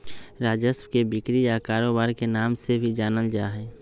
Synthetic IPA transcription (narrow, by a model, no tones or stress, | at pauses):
ɾaːd͡ʒəswkebɪkɾijakaːɾoːbaːɾkenaːmsebʱid͡ʒaːnəld͡ʒaːɦɛː